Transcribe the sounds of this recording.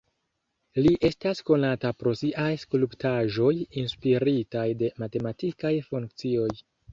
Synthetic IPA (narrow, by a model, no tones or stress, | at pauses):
liʔe̞stasko̞natapɾo̞siʔajskuluptaʒo̞jinspiɾitajde̞mate̞matikajfuŋkt͡sio̞j